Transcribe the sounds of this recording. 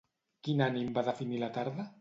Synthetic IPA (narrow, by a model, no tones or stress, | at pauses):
kinanimbaðəfinilat̪aɾða